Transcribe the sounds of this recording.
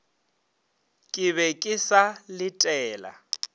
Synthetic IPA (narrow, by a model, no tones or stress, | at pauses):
kʼɪβɛkʼɪsalɪtʼɛːla̰